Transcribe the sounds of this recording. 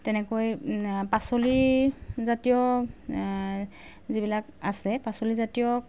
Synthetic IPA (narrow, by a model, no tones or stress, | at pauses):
tɛnɛkojpasolizatijɔ | zibilakasɛpasolizatijɔ